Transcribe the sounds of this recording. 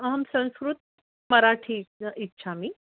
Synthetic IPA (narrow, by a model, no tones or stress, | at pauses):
ɦəmsə̃w̃skɾut̪̚ | məɾaʈʰiitːɕʰami